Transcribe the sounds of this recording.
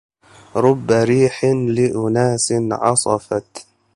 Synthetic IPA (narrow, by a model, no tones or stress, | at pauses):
ɾˤʊbːaɾiːħlɪʔʊnaːsɪnʕɑsˤɑfɑt̪